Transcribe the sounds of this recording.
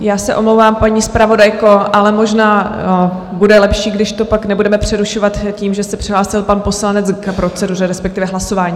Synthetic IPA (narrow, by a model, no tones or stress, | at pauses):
jaːsɛʔo̞mlowvaːmpaɲiːspɾavo̞dajko̞ʔalɛmo̞ʒnaː | budɛlɛpʃiːɡdɪʃt̪o̞paknɛbudɛmɛpr̝̥ɛɾuʃovat̪ciːmʒɛsɛpr̥ɪɦlaːsɪlpanpo̞slanɛt͡skpɾo̞t͡sɛdur̝ɛɾɛspɛkt̪ɪvɛɦlaso̞vaːɲiː